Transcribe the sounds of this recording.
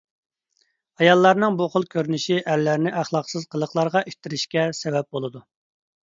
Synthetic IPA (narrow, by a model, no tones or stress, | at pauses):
ɑjɑlˠːɑɾnɨŋboχʊlˠkʲʰøɾnɪʃiʔæɾlæɾnɪʔæχlˠɑqsɨz̥qʰəlˠəχlˠɑɾʁɑʔyʃʲt̪ʰɪɾɪʃkʲɛsɛvɛp̚bolˠɨd̪u